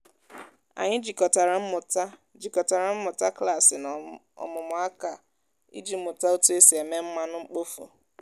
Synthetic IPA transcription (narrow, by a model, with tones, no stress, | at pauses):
a̰˨ɲɪ˦d͡ʒi˨kɔ˨ta˨ɾa˨m̩˦mʊ˨ta˦ | d͡ʒi˨kɔ˨ta˨ɾa˨m̩˦mʊ˨ta˦kla˦˨sɪ˨n˨ | ɔ̰˨mʊ˨mʊ˨a˦ka˨ | ḭ˦d͡ʒi˦m̩˦mʊ˨ta˦o˦tu˦e˦si˨e˨me˦m̩˦ma˦nʊ˦ŋ͡m̩˦k͡po˦fo̰˨